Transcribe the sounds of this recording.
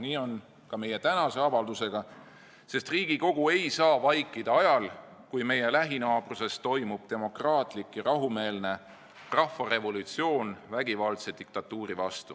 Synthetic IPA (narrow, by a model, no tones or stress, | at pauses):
niːo̞n | kɑme̞je̞t̪ænɑse̞ɑvɑld̪use̞ɡ̥ɑ | se̞st̪riːɡ̥iko̞ɡ̥ue̞jsɑːvɑjkˑːid̪̥ɑɑjɑl | kujme̞je̞læɦinɑːb̥ruse̞st̪o̞jmub̥̚t̪e̞mo̞krɑːt̪ˑlikːjɑɾɑɦume̞ːlne̞ | rɑhfːɑre̞vo̞lut̪sio̞ːnvæɡ̥ivɑlt̪se̞d̪̥ik̚t̪ɑt̪ːˑuːɾivɑst̪u